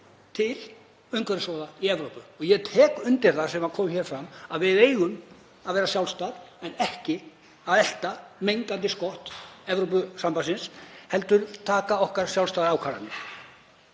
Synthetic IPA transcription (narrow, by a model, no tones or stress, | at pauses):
t̪ʰɪl | œjŋkœɾɪsvɔːðaiɛvɾowpʏɔɣjɛt̪ʰɛːkʏnt̪ɪɾ̥θasɛmaðkʰɔːmçɛːɾ̥fɾamaðvɪðeːjɣʏm | aðvɛːɾasjawlst̪aɾɛnɛhcɪ | aðɛl̥t̪amejŋkant̪̬ɪskɔht̪ɛvɾowp̬ʏsampasɪnshɛl̪t̪ʏɾt̪ʰaːkaɔhkaɾ̥sjawlst̪aðɾaːwkʰaːɾa̰nɪ